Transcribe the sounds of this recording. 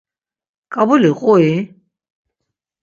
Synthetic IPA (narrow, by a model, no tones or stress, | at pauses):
kʼabuliqʼɔi